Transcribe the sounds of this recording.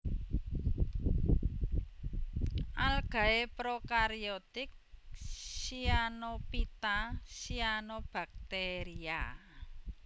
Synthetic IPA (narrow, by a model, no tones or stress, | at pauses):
ʔalɡ̥ä̤epɾokaɾiot̪ɪk̚ | sianopit̪asianob̥a̤k̚t̪eɾia